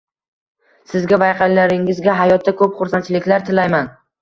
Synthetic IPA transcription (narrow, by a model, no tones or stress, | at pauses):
sɪzɡʲavajqʰɑllaɾɪŋɪzɡʲaɦajɒt̪̚ʰːakʰɵpχʊɾsant͡ʃʰɪlɪkʲlaɾt̪ʰɪlajman